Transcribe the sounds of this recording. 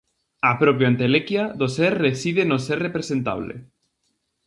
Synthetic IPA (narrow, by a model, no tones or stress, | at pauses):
apɾopjoant̪elekjaðoseɾrːesiðenoseɾrepɾesẽnt̪a̰βlḛ